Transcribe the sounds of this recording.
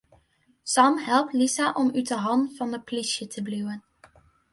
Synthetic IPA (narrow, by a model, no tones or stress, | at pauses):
sɑmɦɛlˠp̚tlisaʔɔmytəɦɑnfɑnəplisjətʰəblywən